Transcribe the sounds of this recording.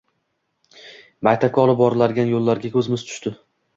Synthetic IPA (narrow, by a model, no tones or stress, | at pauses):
bajt̪ʰakʰʲːɒlˠɪp̚bɒɾɪlaɾɡʲanjolˠːaɾɡʲakʲʰɵzmɪzt̪ʰʊ̥ʃt̪ɪ